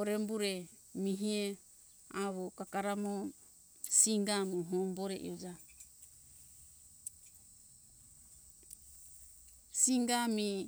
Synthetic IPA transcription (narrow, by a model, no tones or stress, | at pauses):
oɾembuɾemiɦie | aβokakaɾamo | siŋɡamuɦomboɾḛʔḭod͡ʒa | siŋɡami